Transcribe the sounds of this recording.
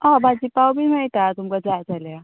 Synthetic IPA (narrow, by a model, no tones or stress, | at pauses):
abʱad͡ʑipawbinajt̪at̪umkad͡zad͡zalja